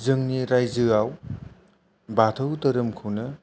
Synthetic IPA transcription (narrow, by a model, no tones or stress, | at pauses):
zɯŋniɾajzɯaw | batʰɐwtɐɾɯmkʰɯwnɐ